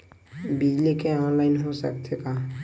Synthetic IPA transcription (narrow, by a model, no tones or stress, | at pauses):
bid͡ʒlikeɔ̃nlaɪnɦosə̰kt̪ʰekaː